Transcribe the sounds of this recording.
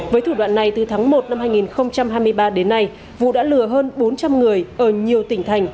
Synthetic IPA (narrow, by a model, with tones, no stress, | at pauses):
vəː˨˦jt̪ʰu˧˩wa̰ː˧˨nːa˨˩jt̪ɨ˨˩t̪ʰaː˨˦ŋmo˨˩t̚na˧mhaː˧jŋi˨˩nxə˧wŋ͡mt͡ɕa˧mɦaː˧jmɨ˧əjɓaː˧ɗe˨˦nːa˧j | vṵ˧˨ɗa̰ː˧˥lɨ˧˩əɦəː˧nɓo˨˦nt͡ɕa˧mŋɨ˨˩əjʔəː˧˩ɲi˨˩əwt̪ï˧˩ŋ̟t̪ʰa˨˩jŋ̟